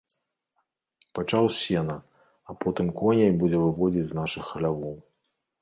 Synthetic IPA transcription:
pat͡ʂawsʲɛnɐ | ɐpɔt̪ɨmkɔnʲɛbud͡zʲɛvɨvɔd͡zʲid͡zʲznaʂɨxɐlʲavɔw

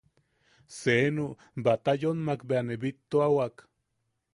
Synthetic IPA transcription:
seno | bat̪ajonmakbeaneβit̪ːoawak

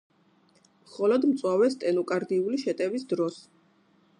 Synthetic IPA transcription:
mχɔlɔd̪mt̪sʼwavɛst̪ʼɛnukʼaɾd̪iuliʃɛt̪ʼɛvisd̪ɾɔs

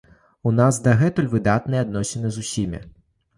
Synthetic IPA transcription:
unazd̪ɐɣɛt̪ulʲvɨd̪at̪nɨjad̪nɔsʲɛnɨzusʲimʲḭ

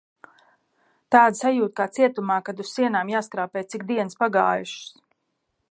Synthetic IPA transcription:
t̪aːd̪sajuːt̪̚kaːt̪siɛt̪umaːkad̪ussiɛnaːmjaːskɾaːpɛːjt̪sikd̪iɛnspaɡaːjuʃs

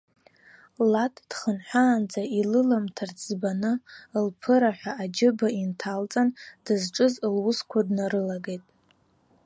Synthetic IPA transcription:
latʰʼd̥χənħʷaːnd͡zailɨlamtʰart͡sʰʼbanɨlpʰɨɾaħʷᶣaːd͡ʒɪbaintʰalt͡sʼand̥ɨzʈ͡ʂʼɨzlwʊskʷʰadnaɾɨlaɡejtʼ

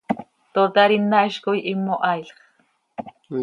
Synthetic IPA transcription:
t̪ot̪aɾinːaʃkojʔimːoʔɑjlχ

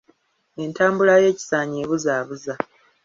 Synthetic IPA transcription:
e̞ntaːmbulaje̞ːci̥saːɲeːβuzaːβuza

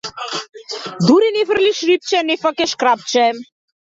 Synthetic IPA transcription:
d̪uɾinevərliʃɾip̚t͡ʃɛnefakɛʃkɾap̚t͡ʃɛm

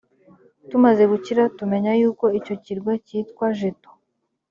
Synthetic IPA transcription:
tumaze̞ɡuciɾatume̞ɲajuːko̞ico̞ciɾɡwaciːtkwaʒeto̥

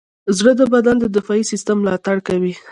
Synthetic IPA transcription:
zɽəd̪əbad̪and̪əd̪ɪfɑisist̪əmːlɑt̪aɽkawi

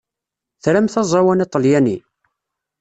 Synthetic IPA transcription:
θɾæmθɑzˤɑwænæt̪ˤːəljæni

